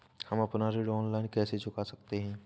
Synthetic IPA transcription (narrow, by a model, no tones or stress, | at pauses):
hɐmɐpnaɾeːɖɔːnlaːɪnkɛːset͡ʃʊkasɐk̚t̪eɦɛ̃ː